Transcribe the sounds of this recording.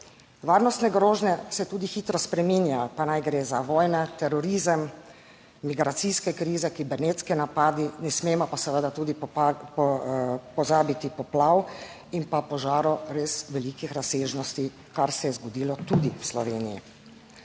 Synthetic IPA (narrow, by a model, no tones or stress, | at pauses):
ʋaːɾnɔst̪nɛɡɾoːʒnɛsɛt̪uːd̪ixiːt̪ɾɔspɾɛminjajɔpanajɡɾeːzaʋɔːjnɛt̪ɛɾɔɾiːzəmː | iɡɾat̪siskɛkɾiːzɛkibɛneːt̪skinapaːd̪inɛsmeːmɔpasəʋəd̪at̪uːd̪iɔpɔzaːbit̪ipɔplaw | inpapɔʒaːɾɔɾesʋɛlikixɾaseːʒnɔst̪i | kaɾsɛjɛzɡɔd̪iːlɔt̪ud̪iwslɔʋeːnijḭ